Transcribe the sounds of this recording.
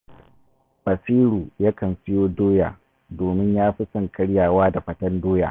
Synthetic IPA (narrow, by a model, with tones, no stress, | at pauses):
bɐ˨siː˦ɽuː˨ja˦kɐ˨nsɪ˦joː˦doː˦ja̰ː˨ | doː˨mɪ˦ɲjaː˦ɸi˦sɐ˨ŋkʰɐ˦ɽjaː˨waː˦da˨ɸɐ˦tɐ˦ndoː˦ja̰ː˨